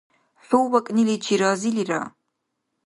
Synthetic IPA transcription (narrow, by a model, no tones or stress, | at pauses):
ħʷuwwɐkʼnilid͡ʒʰiɾɑːziliɾa̰